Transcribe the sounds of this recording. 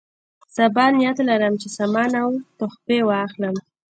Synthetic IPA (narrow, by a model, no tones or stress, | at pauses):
sabɑnjat̪laɾəmt͡ʃesamɑnawt̪ʊxpewɑxləm